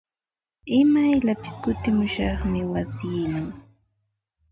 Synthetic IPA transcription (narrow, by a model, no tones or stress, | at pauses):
ɪmajʎapɪ̥skʊt̪ɪmʊʃɑχmɪwasiːnaŋ